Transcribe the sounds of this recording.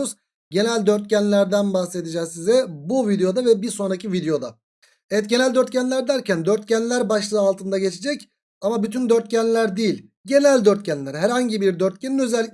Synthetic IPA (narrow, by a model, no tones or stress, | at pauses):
z | ɟe̞nælʲd̪øɾt̪̚cænlʲæɾd̪ænbaxse̞d̪id͡ʒɛzsizɛbuvid̪ejo̞d̪avɛbiɾso̞nɾacʰivid̪ejo̞d̪a | ɛɛt̪̚ɟe̞nælʲd̪ø̞ɾt̪cʰænlʲæɾd̪æɾcʰænd̪øɾt̪̚cænlʲæɾbaʃlˠɯalˠt̪ʰɯnd̪aɟet͡ʃʰed͡ʒɛc | amabyt̪ʰynd̪øɾt̪̚cænlʲæɾd̪ejilʲ | ɟe̞nælʲd̪øɾt̪cʰænlʲæɾɦæɾhaɲɟibiɾd̪øɾt̪̚cʰeninø̞zɛlʲːi